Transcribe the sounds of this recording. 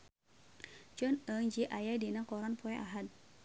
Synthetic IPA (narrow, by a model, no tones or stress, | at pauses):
d͡ʒɔnəŋd͡ʒiʔajadinakɔɾanpɔɛʔaɦad̪̚